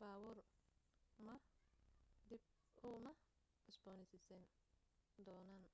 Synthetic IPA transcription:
baːwɔr | mɐ | d̪ɪb̚ | ʊːmɐ | ɪsbɔːnɪsɪsɛn | d̪ɔːnaːn

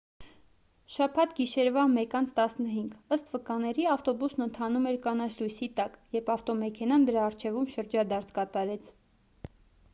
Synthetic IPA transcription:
ʃɑpʰɑt̪ɡiʃɛɾvɑmɛkɑnt͡sʰt̪ɑsnəɦiŋɡəst̪vəkɑnɛɾiɑft̪ɔbusnənt̪ʰɑnumɛɾkɑnɑt͡sʰlujsit̪ɑkjɛɾpʰɑft̪ɔmɛkʰɛnɑnd̪əɾɑːrt͡ʃʰɛvumʃəɾd͡ʒɑd̪ɑɾt͡sʰkɑt̪ɑɾɛt͡sʰ

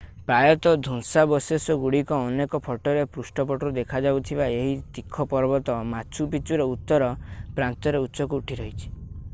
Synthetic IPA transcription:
pajɔt̪ɔd̪ʱuŋsabɔsesɔɡuɽikɔːnekɔpʰɔʈɔɾepɾusʈɔpɔʈɔɾud̪ekʰad͡ʒawt̪ʰibaeɦit̪ikʰːɔpɔɾbɔt̪ɔmat͡ʃʰupit͡ʃuɾɔut̪ːɔɾɔpɾant̪ɔɾeuːsɔkuuʈʰiɾɔɦit͡ʃʰi̥

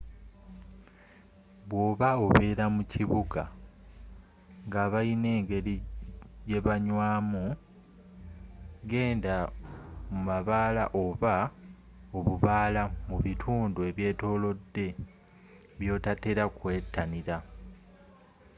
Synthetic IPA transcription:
βwo̞ːβaoβeɾamuciβuɡa | ŋɡaːβaine̞ːŋɡe̞ɾije̞βaɲwaːmu | ɡe̞ːnda | mumaβaːla̰ʔo̞βa | o̞βuβaːlamuβitʰuːndue̞βje̞ːto̞ːlo̞dːe̞ | βjo̞ːtate̞ɾakwe̞ːtːaniɾa

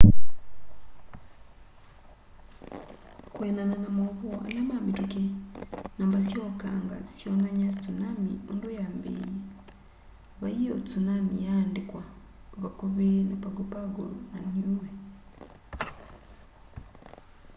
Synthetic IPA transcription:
kwenananamoβoa̰lamamituke | nambasjoka̰ŋɡa̰sjonaɲasit͡sunamḭundujambḛj̰i | βaijo̰t͡sunamijaːndikwa | βakuβenapaɡopaɡo̰lunaɲuwe

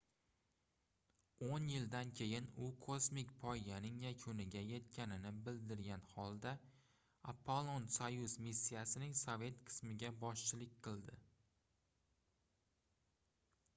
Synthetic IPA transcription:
onjɪld̪ankʲʰe̞jɪnʊkʰosmɪkʲpʰɒjjanɪŋjakʰʊnɪɡʲaje̞t̪kʲʰanɪnɪbɪld̪ɪɾɡʲanhɒlˠd̪a | apʰːolˠonsajʊzmisːijasɪnɪŋsove̞t̪qʰɨ̥smɪɡʲabɒʃt͡ʃʰɪlɪkʲqʰɨlˠd̪ɪ

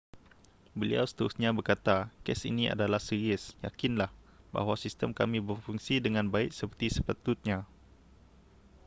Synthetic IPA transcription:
bəlḭa̰wsə̥t̪əɾusɲãbərkat̪akɛsḭnia̰dalahsiɾiəsja̰kinlah | ba̰ɦwasist̪əmkamĩbərfuŋsidəŋãnbaɪk̚səpərt̪isəpat̪ʊt̪̚ɲã

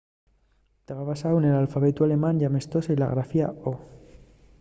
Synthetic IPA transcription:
t̪eβaβasawnelalfaβet̪uale̞mãnʝamest̪osaila̰ɣɾafia̰o

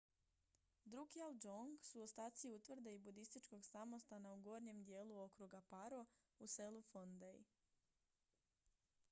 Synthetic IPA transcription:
d̪ɾukiald͡ʒoŋɡsuost̪aːt̪siut̪ʋr̩d̪eibud̪ist̪it͡ʃko̞ɡsamo̞st̪anauɡo̞ːɾɲe̞md̪je̞ːluo̞kɾuɡapaɾo̞ | use̞lufond̪ej

